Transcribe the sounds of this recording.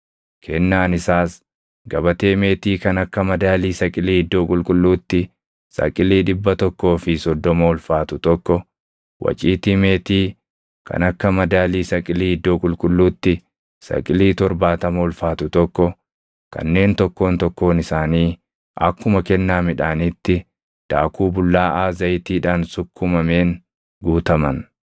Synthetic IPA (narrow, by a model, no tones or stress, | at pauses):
kʰɛnːaːnɪsaːs | ɡɐbɐt̪e̞ːme̞ːt̪iːkɐnɐkːɐmɐd̪aːliːsɐkʼɪliːɪd̪ːo̞ːkʼʊlkʼʊlːuːt̪ːɪ | sɐ̰kʼɪliːᶑɪbːɐt̪ɔkːo̞ːfɪsɔd̪ːɔmɐʊlfaːt̪ʊt̪ɔkːɔ | wʔɐ̰t͡ʃʼiːt̪ɪme̞ːt̪iː | kʰɐ̰nɐkːɐmɐd̪aːliːsɐkʼɪliːɪd̪ːoːkʼʊlkʼʊlːuːt̪ːɪ | sɐ̰kʼɪliːt̪ɔɾbaːt̪ɐmɐʊlfaːt̪ʊt̪ɔkːɔ | kɐ̰nːe̞ːnt̪ɔkːo̞ːnt̪ɔkːo̞ːnɪsaːniː | ɐ̰kːʊmɐkɛnːaːmɪᶑaːnɪt̪ːɪ | d̪̥aːkʰuːbʊlːaːʔaːzɐjt̪iːᶑaːnsʊkːʊmɐmeːŋ | ɡuːt̪ɐmɐn